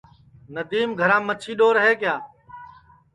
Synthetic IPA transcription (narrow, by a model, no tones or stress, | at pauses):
nəd̪iːmɡʱəɾãːmət͡ʃʰiːɗoːɾəɦeːkɪjaː